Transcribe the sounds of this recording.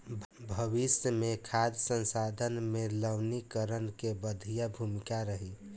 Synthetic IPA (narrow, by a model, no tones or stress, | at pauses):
bʱəβisjəmekʰad̪sə̃nsad̪ʱənmeləwnikəɾənkebəd̪ʱijabʱumikaɾəɦi